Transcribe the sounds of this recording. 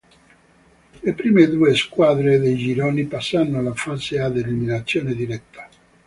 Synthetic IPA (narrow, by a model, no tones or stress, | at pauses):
lepɾiːmed̪ueskwaðɾeðejd͡ʒiɾonipasːanːoalafazead̪eliminat̪sːjoːned̪iɾɛt̪ːḁ